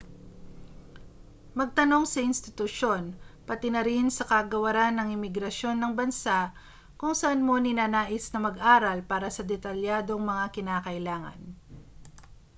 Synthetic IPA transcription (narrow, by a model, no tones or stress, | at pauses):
mɐɡ̚t̪ɐno̞ŋsɐʔɪnst̪ɪt̪ʊʃo̞npɐt̪ɪnɐɾɪnsɐkɐɡɐwɐɾanːɐŋɪmɪɡɾɐʃjo̞nːɐŋbɐnsaʔ | kʊŋsɐʔanmo̞nɪnaːnaːʔɪsnɐmɐɡʔaːɾɐlpaːɾɐsɐd̪ɛt̪ɐljaːd̪o̞ŋmɐŋakɪnaːkɐʔɪlaːŋɐ̰n